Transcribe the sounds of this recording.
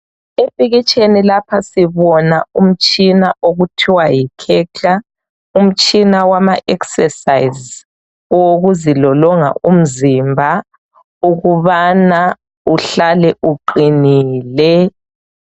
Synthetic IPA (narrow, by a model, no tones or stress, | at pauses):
epʼiɣit͡ʃʼenilapʰasiβɔnaum̩t͡ʃʼinaʔoɣutʰiwajikʰɛt͡ɬʰa | um̩t͡ʃʼinawamaʔɛksɛsaiz | woɣuzilɔlɔŋa̰ʔum̩zimbʱa | uɣuβana | uɬalɛʔuǃiniːlɛ